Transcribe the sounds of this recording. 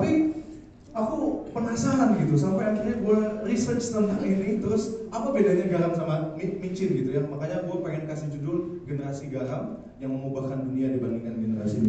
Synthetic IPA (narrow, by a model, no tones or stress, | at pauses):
t̪api | akupənasaɦanɡit̪usampajakɪrɲaɡuarisərt͡ʃt̪əŋaʔinit̪əɾʊsapabedaɲaɡaɦamsamamimiɲt͡ʃɪlɡit̪ujamakaɲaɡuapaɪnkasɪd͡ʒudʊl | ɡənəɾasiɡaɦam | jaŋməmubakanduniadibandiŋanɡənəɾa̰sḭ